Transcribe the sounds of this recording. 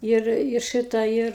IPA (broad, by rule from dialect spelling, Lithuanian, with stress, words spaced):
ˈɪr ɪ ˈʃɨtɑː ˈɪr